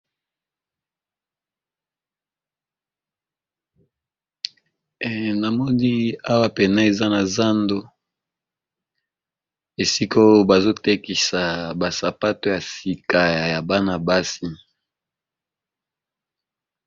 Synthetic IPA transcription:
na˨mɔ˦ni˦a˦wa˦pe˨na˦e˨za˦na˨za˦ndo˦ | e˨si˦ko˦ba˨zo˦te˦ki˨sa˨ba˨sa˨pa˦to˨ja˨si˨ka˨ja˨ba˦na˨ba˦si˦

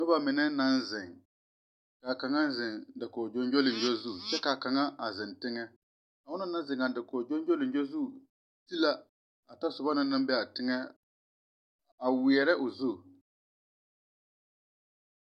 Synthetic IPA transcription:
nɔ˦ba˦mɪ˨nɛ˦na˦nzɪ˨ŋ | ka˨ka˨ŋa˦zɪ˨ŋdɪ˨kɔː˨d͡ʒo˦nd͡ʒo˦lɪ˨n˨d͡ʒo˦zu˦˨t͡ʃɛ˦ka˨ka˨ŋa˦a˨zɪ˨ntɪ˦ŋɛ˦ | ka˨ʊ˦na˦na˦n˦zɪ˨ŋa˨dɪ˨kɔː˨d͡ʒo˦nd͡ʒo˦lɪ˨n˦d͡ʒo˦zu˦˨ | ti˦la˦ | a˨ta˦sʊ˨ba˦na˦na˦mbɛ˦a˨tɪ˦ŋɛ˦ | a˨wɪ˨ɛ˨ɾɛ˦ʔʊ˨zu˦˨

